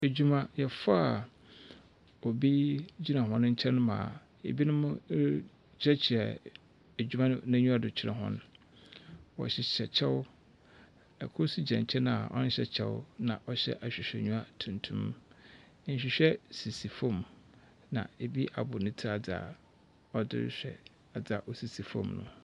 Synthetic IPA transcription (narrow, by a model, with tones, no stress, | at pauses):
æ˨d͡ʑᶣu˦mã˦jɛ˨fa˦a˨ | ɔ˨bi˦d͡ʑi˦nã˨ɦɔ̃˦nʊ̃˦ɲ̩˦t͡ɕʰɛ̃˦nʊ̃˦mã̰ː˨ | ḛ˨bi˦nʊ̃˦mʊ̃˦ | ɛ˦t͡ɕʰɪ˨ɛ˨ | æ˨d͡ʑᶣu˦mã˦nʊ̃˦nã˦ɲũ˦a˦˨dʊ˨t͡ɕʰɪ˦ɾɛ̰̃˨ɦɔ̰̃˦ñ˨ | wɔ̰˨ɕɛ˨ɛ˨t͡ɕʰɛ˦w | ɛ˨kʰʊ˦su˦d͡ʑɛ̃˨ɲ˨t͡ɕʰɛ˦nã˦a˨ʔɔ̰˦nɪ̃˦ɕɛ˨t͡ɕʰɛ˦wnã˨ʔɔ˦ɕɛ̰˦ʔa˨ɕᶣɪ˨ɕᶣɛ˨ɲũ˦a˦tʰũ˨ntʰũ˦m˦ | n̩˨ɕᶣɪ˨ɕᶣɛ˦si˨si˨fɔ̃˦˨m | nã̰˨e˨bi˦ʔa˨bʊ˨nɪ̃˦tʰi˦a˨d͡za̰˨ | ɔ˦dɪ̰˦ɾɕᶣɛ̰˨ | a˨d͡za˨ʔɔ˨si˨si˨fɔ̰̃˦˨mnʊ̰̃˨